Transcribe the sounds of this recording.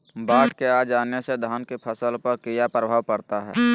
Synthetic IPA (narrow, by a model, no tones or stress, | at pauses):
baːʈʰkeaːd͡ʒaːnesed̪ʱaːnkepʰəsəlpəɾkijapɾəbʱaːʋpəɾt̪aɦɛ̰ː